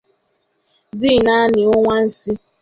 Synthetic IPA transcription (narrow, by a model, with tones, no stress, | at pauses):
dɪ˦˨na˦nɪ˨ʊ˦ŋʷa˦n̩˦si˦